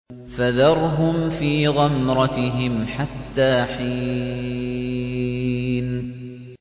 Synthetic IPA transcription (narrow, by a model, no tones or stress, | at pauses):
faðɑɾˤɦʊmfiːɣɑmɾˤɑt̪ɪɦɪmħat̪ːaːħiː | n